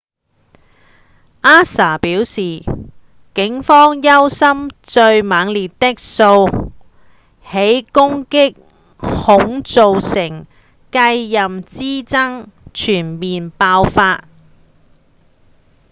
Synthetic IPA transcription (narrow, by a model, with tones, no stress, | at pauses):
ʔaː˥saː˨˩piː˨˥wsiː˨ | kɪ˨˥ŋfɔː˥ŋjɐ˥wsɐ˥mt͡ʃɵ˧ɥmaː˨˧ŋliː˨tt̪ɪ˥k̚so˧w | he˨˥jkʊ˥ŋkɪ˥k̚ | hʊ˨˥ŋt͡so˨wsɪ˨˩ŋ | kɐ˧jːɐ˨mt͡siː˥t͡sɐ˥ŋt͡ʃʰyː˨˩nmiː˨npaː˧wfaː˧t̚